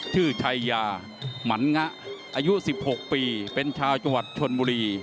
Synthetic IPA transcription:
t͡ɕʰɯː˥˩t͡ɕʰa˧jːaː˧ | ma˩˦˥nŋa˦˥ʔʔaː˧ju˦˥si˨˩p̚ho˨˩k̚piː˧pe˧nt͡ɕʰaː˧wt͡ɕa˧ŋwa˨˩t̪̚t͡ɕʰo˧nbuː˧ɾiː˧

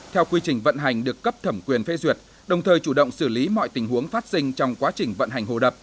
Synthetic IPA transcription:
t̪ʰɛ˧wkwi˧t͡ɕï˨˩ŋ̟və̰˧˨nɦa˨˩jŋ̟ɗɨ˨˩əkːə˦˥p̚t̪ʰə˧˩mkwi˨˩ənfe˨˦zwi˨˩ət̚ | ɗə˨˩wŋ͡mt̪ʰəː˨˩jt͡ɕu˧˩ɗə̰˧˨wŋ͡msɨ˧˩li˨˦mɔ̰˧˨jt̪ï˨˩ŋ̟ɦu˨˦əŋfaː˦˥t̚sï˧ŋ̟t͡ɕɔ˧wŋ͡mkwaː˨˦t͡ɕï˨˩ŋ̟və̰˧˨nɦa˨˩jŋ̟ɦo̰˧˨˩ɗə˨˩p̚

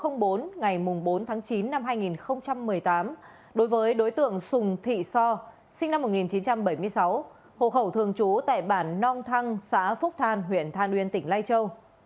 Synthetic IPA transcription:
xə˧wŋ͡mɓo˨˦nŋa˨˩jmʊ˨˩ŋ͡mɓo˨˦nt̪ʰaː˨˦ŋt͡ɕi˨˦nːa˧mɦaː˧jŋi˨˩nxə˧wŋ͡mt͡ɕa˧mːɨ˨˩əjt̪aː˨˦m | ɗo˨˦jvəː˨˦jɗo˨˦jt̪ɨ̰˧˨əŋsʊ˨˩ŋ͡mt̪ʰḭ˧˨sɔ˧ | si˧ŋ̟na˧mːo˨˩t̚ŋi˨˩nt͡ɕi˨˦nt͡ɕa˧mɓə˧˩jmɨ˧əjsa˨˦w | ho̰˧˨xə˧˩wt̪ʰɨ˨˩əŋt͡ɕu˨˦t̪a̰ː˧˨jɓaː˧˩nːɔ˧mt̪ʰa˧ŋsa̰ː˧˥fʊ˦˥k͡p̚t̪ʰaː˧˩nɦwḭ˧˨ənt̪ʰaː˧˩nʔwḭ˧˨ənt̪ï˧˩ŋ̟laː˧jt͡ɕə˧w

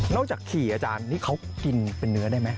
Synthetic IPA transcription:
nɔː˥˩k̚t͡ɕaː˨˩kʰiː˨˩ʔaː˧t͡ɕaː˧nːiː˦˥˩kʰa˦˥wki˧npe˧nːɯ˨˦˥ɐdaː˥˩jma˦˥

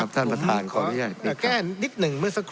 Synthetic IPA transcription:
a˦˥p̚t̪ʰa˥˩npɾa˧t̪ʰaː˧nkʰɔː˧˦˧a˧˩i˨˧˩kɛː˥˩nni˦˥t̪̚nɯ˨˩ŋmɯ˥˩ɐsa˧kʰ

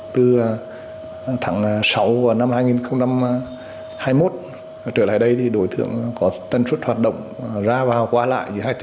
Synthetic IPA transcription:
t̪ɨ˨˩ | t̪ʰaː˨˦ŋ˨˩sa˨˦wvu˧˨˩na˧mhaː˧jŋi˨˩nxə˧wŋ͡mt͡ɕa˧m | haː˧jmo˦˥t̚ | t͡ɕəː˧˩la̰ː˧˩jɗə˧jt̪ʰi˨˩ɗo˨˦jt̪ɨ̰˧˨əŋkɔ˨˦t̪ə˧nswə˦˥t̚hwaː˨˩t̚ɗə̰˧˨wŋ͡mzaː˧vaː˨˩wkwaː˧la̰ː˧˨jzɨ˨˦haː˧jt̪

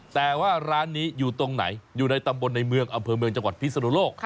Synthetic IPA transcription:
t̪ɛː˨˩waː˥˩ɾaː˦˥nːiː˦˥juː˨˩t̪o˧ŋna̰˩˦jjuː˨˩na˧jt̪a˧mbo˧nːa˧jmɯ˧əŋʔa˧mpʰɤː˧mɯ˧əŋt͡ɕa˧ŋwa˨˩t̪̚pʰi˥sa˧nuː˦˥˦loː˥˩k̚

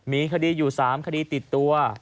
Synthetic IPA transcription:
miː˧kʰa˧diː˧juː˨˩saː˩˦mkʰa˧diː˧t̪i˨˩t̪ːu˧ɐ

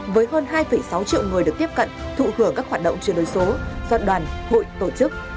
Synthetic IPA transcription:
vəː˨˦jɦəː˧nɦaː˧jfə˧˩jsa˨˦wt͡ɕḭ˧˨wŋɨ˨˩ɗɨ˨˩ək̚t̪i˦˥əp̚kə̰˧˨nt̪ʰṵ˧˨hɨ˧˩əŋkaː˦˥k̚hwaː˨˩t̚ɗə̰˧˨wŋ͡mt͡ɕɨ˧əɗo˨˦jso˨˦zɔ̰˧˩tɗwaː˨˩nho̰˧˨jt̪o˧˩t͡ɕɨ˦˥k̚

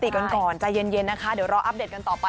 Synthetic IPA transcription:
t̪i˨˩ka˧nkɔː˨˩nt͡ɕa˨˩je˧nje˧nːa˦˥kʰa˦˥di˨˩˦wɾɔː˦˥ʔa˦˥p̚de˨˩t̪̚ka˧nt̪ɔː˨˩pa˧

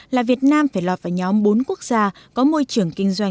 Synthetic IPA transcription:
laː˨˩vi˨˩ət̚naː˧mfaː˧˩jlwɔː˨˩t̚vaː˧˩ɲɔ˨˦mɓo˨˦nku˦˥ək̚z̥aː˧kɔ˨˦mo˧jt͡ɕɨ˨˩əŋkï˧ŋ̟zwa˧j

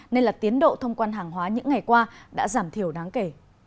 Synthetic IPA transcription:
ne˧nlaː˨˩t̪i˨˦ənɗo̰˧˨t̪ʰə˧wŋ͡mkwaː˧nɦaː˨˩ŋɦwaː˨˦ɲɨ̰˧˥ŋːa˨˩jkwaː˧ɗa̰ː˧˥zaː˧˩mt̪ʰi˧˩əwɗaː˨˦ŋke˧˩

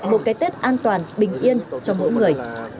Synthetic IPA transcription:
mo˨˩t̚kaː˨˦jt̪e˦˥t̚ʔaː˧nt̪waː˨˩nɓï˨˩ŋ̟ʔi˧ənt͡ɕɔ˧mo̰˧˥˦jŋɨ˨˩əj

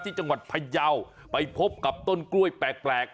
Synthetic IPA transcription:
t̪ʰiː˧˩t͡ɕa˧ŋwa˨˩t̪̚pʰa˧ja˧w | pa˨jpʰo˦˥p̚ka˨˩p̚t̪o˧˩nklu˧əjpɛː˨˩k̚plɛː˨˩k̚

